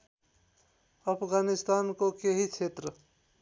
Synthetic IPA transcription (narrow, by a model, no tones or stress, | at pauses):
əpʰɡanist̪aːnkokeɦit͡ʃʰet̪ɾə